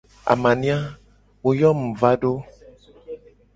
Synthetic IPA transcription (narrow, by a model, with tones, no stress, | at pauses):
a̰˨mã˨nĩ˦a˦ | wo˦jɔ˦m̩˨va˦ɖo˦